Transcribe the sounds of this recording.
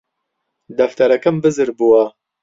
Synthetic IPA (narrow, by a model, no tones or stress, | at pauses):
d̪ɐft̪ɐɾɐkɐmbɨzɨɾbuwɐ